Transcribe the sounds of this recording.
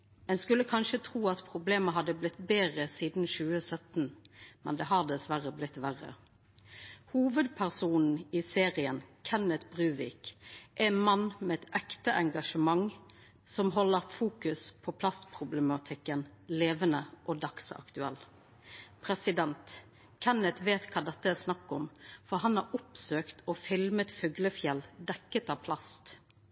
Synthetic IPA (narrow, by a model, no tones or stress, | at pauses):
ɛnskʉlːəkʰɑnʃət̪ʰʁuːɑt̪pʰʁʊbleːməɦɑd̪ːəblɪt̪beːʁəsiːd̪n̩ʃʉːəsœt̪n̩mɛ̰nd̪ɛɦɑʁd̪ɛsʋæʁəblɪt̪ːʋæʁə̰ | huːʋəd̪pʰæʁsuːnn̩iːseːʁɪənkʰɛnət̪bʁʉːʋɪ̰kʔɛmɑnmɛɛt̪ɛkt̪əʔɛŋɡɑʂəmɑŋ | sɔmɦɔlːəɾfuːkʉspʰɔpʰlɑst̪pʰʁʊblɛmɑt̪ʰɪkːənleːʋənəʔoːd̪ɑksɑ̰kt̪ʉɛl | pʰʁɛsɪd̪ɛnt̪ | kʰɛnət̪ʋeːt̪kʰɑːd̪ɛt̪ːəæsnɑkːɔmfɔɦɑnhɑɾʔʊpsøːkt̪ʰoːfɪlmət̪fʉɡləfjɛld̪ɛkːət̪ɑːʋpʰlɑst̪